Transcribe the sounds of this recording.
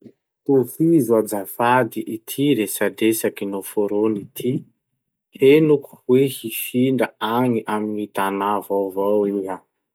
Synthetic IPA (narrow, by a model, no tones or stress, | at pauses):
t̪ofizwad͡zafad̪iʔit̪ʰiɾesadesakinofoɾonit̪ʰi | henuku̥wehifiɳɖ͡ʐəaŋiʔaminit̪anavawvawiɦa